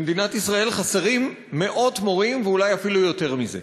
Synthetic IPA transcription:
med̪inat̪isʁae̞lχaseʁimː | e̞ʔo̞t̪mo̞ʁimveulajafilujo̞t̪e̞ʁmize̞̰

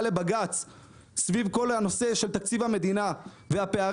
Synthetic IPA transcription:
le̞baɡat͡s | svivko̞lano̞se̞ʃe̞lt̪akt͡sivhame̞d̪ina | vehapea

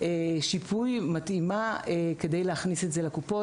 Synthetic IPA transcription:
eʃipʰujmatimaeke̞d̪ejleaχnisetzelekupo̞

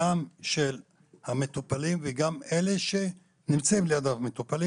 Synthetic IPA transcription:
amʃel | hamet̪upalimveɡame̞le̞ʃe̞ | nimt͡saimlejad̪avmet̪upali

